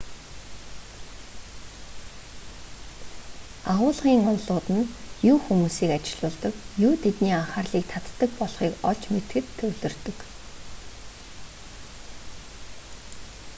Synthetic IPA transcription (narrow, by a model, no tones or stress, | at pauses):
aʁʊːɮʁiːŋɔnɮʊːt̪ə̆njuːxumuːsiːkat͡ɕɪɮʊːɮt̪ə̆kjuːt̪ʰet̪niːaɴχaːrɮiːk̚t̪ʰat̪ːə̆k̚pɔɮχiːkɔɮt͡ɕmet̪ɡɘ̆t̪ʰːɵwɮɵ̆rt̪ɵ̆k